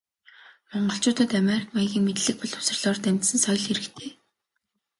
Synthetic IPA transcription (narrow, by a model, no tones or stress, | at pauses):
mɔɴɢɞ̆ɬt͡ɕʊːt̪ə̆t̪ameɾikmaɣʲiːŋmet̪ɮɘ̆k̚pɔɮʰʊ̥sə̆rɮɔːrt̪æmʲt̪sɘ̆nsœjɮxeɾɘ̆kt̪ʰeː